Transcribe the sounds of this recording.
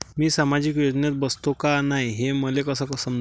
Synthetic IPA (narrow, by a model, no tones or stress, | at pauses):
miːsamad͡ʑiːkjod͡ʑnjat̪bəst̪okanajɦeməlekəs̬akəsəm